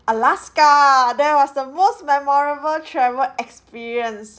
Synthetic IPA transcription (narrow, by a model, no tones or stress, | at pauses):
əlaskadɛwɔsdəmosmɛmɔɹəbəltʰɹɛvəlɛkspiɹiə̃ns